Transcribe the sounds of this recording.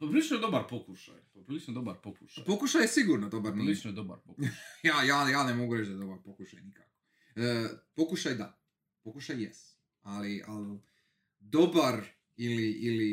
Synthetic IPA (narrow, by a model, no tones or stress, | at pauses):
pɾilit͡ʃnoed̪obaɾpokuʃa̰japɾilit͡ʃnod̪obaɾpoku̥ʃapokuʃajesiɡuɾnod̪o̞baɾnilit͡ʃnojed̪oba̰ɾpokjaːjaːjaːnemo̞ɡuɾet͡ʃd̪ad̪o̞baɾpokuʃajnikako̥ | əːpo̞kuʃajd̪a | pokuʃajːest̪ | alia̰l | d̪o̞baɾ | iliʔili